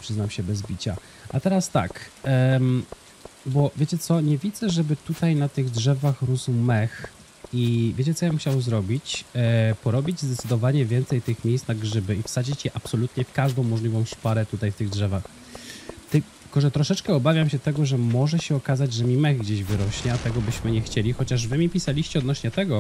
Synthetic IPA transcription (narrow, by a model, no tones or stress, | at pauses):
pʂɘznawɕɛbɛzbʲit͡ɕa̰ | at̪ɛɾast̪a̰k | bɔvʲjet͡ɕɛt̪sɔɲɛvʲid̪zɛʐɛbɘt̪ut̪ajnat̪ɘɣdʐɛvaxɾuzumɛx | ivʲet͡ɕɛt̪sɔjamxt͡ɕawzɾɔbʲit͡ɕpɔɾɔbʲid͡ʑzd̪ɛt̪sɘd̪ɔvaɲɛvʲjɛnt̪sɛjt̪ɘxmʲjejst̪naɡʐɘbɘifsad͡ʑit͡ɕjɛʔapsɔlut̪ɲɛfkaʐd̪ɔ̃w̃ːɔʐlʲivɔ̃w̃ʂpaɾɛt̪ut̪ajft̪ɘɣdʐɛvax | t̪ɘ | kɔʐɛt̪ɾɔʂɛt͡ʂkɛɔbavʲjamɕɛt̪ɛɡɔʐɛmɔʐɛɕɛɔkazad͡ʑʐɛmʲimɛɣɡd͡ʑeʑvɘɾɔɕɲɛat̪ɛɡɔbɘɕmɘɲɛxt͡ɕelʲixɔt͡ɕaʐvɘmʲipʲisalʲiɕt͡ɕɛɔd̪nɔɕɲɛt̪ɛɡɔ